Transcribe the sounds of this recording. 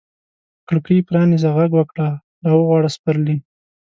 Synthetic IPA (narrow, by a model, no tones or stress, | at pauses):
kɽəkipɾɑnizaɣaɡwəkɽa | ɾɑwəɣwɑɽaspaɾli